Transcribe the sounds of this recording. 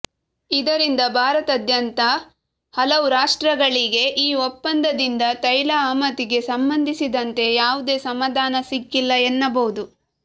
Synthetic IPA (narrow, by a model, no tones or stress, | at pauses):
id̪ɐɾind̪ɐbʱaːɾɐt̪ɐd̪jɐnt̪ɐ | hɐlɐʋuɾaːʂʈɾɐɡɐɭiɡe̞ʔiːɔpːɐnd̪ɐd̪ind̪ɐt̪ɐjlɐaːmɐt̪iɡe̞sɐmbɐnd̪ʱisid̪ɐnt̪e̞jaːʋud̪e̞ːsɐmaːd̪ʱaːnɐsikːilːɐenːɐbɐwud̪u